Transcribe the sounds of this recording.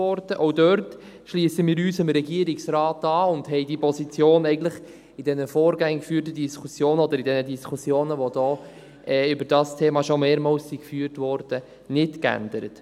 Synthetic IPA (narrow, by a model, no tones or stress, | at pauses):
ɔɾd̥əʔɔʊdœɾt | ʃliːsəmiːɾyːsɪmɾɛɡiəɾɪksɾɑːtɑːʊndɦɛɪdipʰɔsit͡sjoːnɛɪɡən̩tləχ | ɪd̥ɛnəfoːɾɡɛŋkfyːɾt̬əd̥iskʰusjoːnəɔd̪əɾɪdɛnədiskʰusjoːnəʋod̥ɔː | ʔɛːʏbəɾd̥ɑːstʰeːmɑʃomeːɾmɑːwsːikfyːəɾtʋɔɾd̥ə | nɪtkæ̰ndəɾət